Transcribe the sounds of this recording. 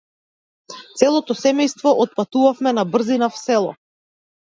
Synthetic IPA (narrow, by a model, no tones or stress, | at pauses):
t̪sɛlˠɔt̪ɔsɛmɛjst̪vɔʔɔt̪̚pat̪uvafmɛnabr̩zinafsɛlˠɔ̰